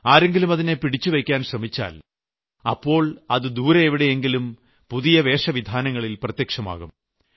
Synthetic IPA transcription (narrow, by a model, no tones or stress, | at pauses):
aːɾe̞ŋɡilumɐðine̞piɽit͡ɕːuʋejkʲːaːnɕrɐmit͡ɕːa̰ːl | ɐpːo̞ːɭɐðɨd̪uːɾɐeʋiɽe̞eŋɡilum | puðijɐʋe̞ːʂɐʋid̪ʱaːnɐŋːɐɭilprɐt̪jekʂɐma̰ːɣum